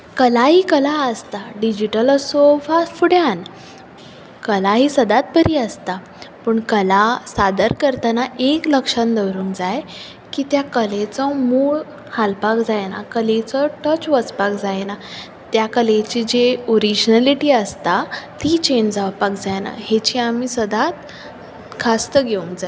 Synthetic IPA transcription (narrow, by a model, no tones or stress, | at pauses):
kəlaɦiːkəlaəst̪aɖid͡ʑiʈəlsofasfuɽjan | kəlaɦiːsəd̪at̪̚pəɾiːəst̪a | pəɳkəlasad̪əɾkəɾt̪anaʔekləkʂand̪əʋɾuːnd͡zaj | kiːt̪jakəlet͡sɔmuɭ | halpakd͡zajna̰kəlet͡sɔʈət͡ɕʋət͡spakd͡zajna | t̪jakəlet͡ɕiːd͡ʑeoɾid͡ʑnaliʈiːəst̪at̪iːt͡ɕend͡zaʋpakd͡zajna̰ɦet͡ɕiːamiːsəd̪at̪ | kʰast̪əɡeuŋkd͡zaj